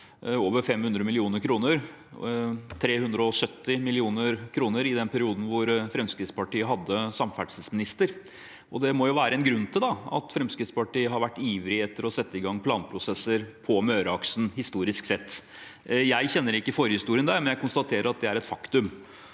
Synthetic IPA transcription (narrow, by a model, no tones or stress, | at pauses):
oːʋəɾfɛmhʉnd̪ɾəmɪlɪuːnəɾkʰɾuːnəɾ | t̪ʰɾeːhʉnd̪ɾəɔsœt̪ːɪmɪlɪuːnəɾkʰɾuːnəɾɪd̪ɛnpʰæɾɪuːd̪n̩ʋʊɾfɾɛmskɾɪt̪spɑʈiːəɦɑd̪ːəsɑmfæʈsəsmɪnɪst̪əɾ | ʔɔd̪ɛmɔjʊʋæːɾəɛnɡɾʉnːt̪ʰɪld̪ɑɑ̰t̪fɾɛmskɾɪt̪spɑʈiːəɦɑɾʋæʈːiːʋɾɪɛt̪ːəɾɔsɛt̪ːəɪɡɑŋːpʰlɑːnpʰɾʊsɛsːəɾpʰɔmøːɾəɑksn̩hɪst̪uːɾɪsksɛt̪ː | jæɪçɛnːəɾɪkːəɪfɔɾjəhɪst̪uːɾɪənd̪æɾmɛnjæɪkʊnst̪ɑt̪ʰeːɾəɾɑt̪̚d̪ɛæɾɛt̪fɑkt̪ʉm